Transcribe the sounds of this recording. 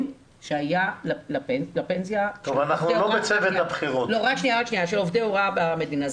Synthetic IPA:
ʃeajalalapelapensjatovanaχnulobet͡sevet̪abχiʁot̪loʁakʃnijaʁakʃniaʃelovdeoʁabame̞dinaz

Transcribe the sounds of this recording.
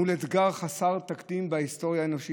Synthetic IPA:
uletɡaʁχasaʁt̪akd̪imbaist̪o̞ʁjaeno̞ʃi

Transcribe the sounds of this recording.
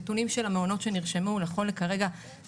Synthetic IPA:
tunimʃelameono̞tʃe̞niʁʃemulaχo̞lekaʁe̞ɡa

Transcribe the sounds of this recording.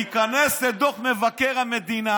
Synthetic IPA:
ikanesled̪oχmevakeʁhamed̪ina

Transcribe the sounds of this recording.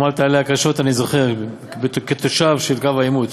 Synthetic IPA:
malt̪aleakaʃo̞t̪anizoχeʁ | beket̪oʃavʃelkavaimud̪

